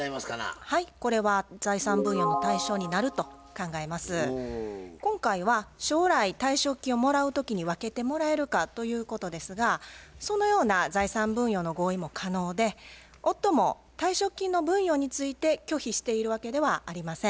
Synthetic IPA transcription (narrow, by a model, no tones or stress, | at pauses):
maskana̰haiko̞ɾe̞βaz̥aisãmbɯ̟̃ɰ̃jo̞ːno̞t̪aiɕo̞ːɲ̟inaɾɯ̟t̪o̞ | kãŋɡae̞masɨ | kõ̞ŋkaiβaɕo̞ːɾait̪aiɕo̞kʲĩo̞mo̞ɾaɯ̟t̪o̞kʲiɲ̟iβake̞t̪e̞mo̞ɾae̞ɾɯ̟kat̪o̞jɯ̟ːko̞t̪o̞d̪e̞sɨɡaso̞no̞jo̞ːnazaisãmbɯ̟̃ɰ̃jo̞ːno̞ɡo̞ːimo̞kʰano̞ːd̪e̞ | ot̪ːo̞mo̞ | t̪aiɕo̞kʲːĩnːo̞bɯ̟̃ɰ̃jo̞ːɲ̟it͡sɨit̪e̞kʲo̞çiɕi̥t̪e̞iɾɯ̟βake̞d̪e̞βaːɾʲimasẽ̞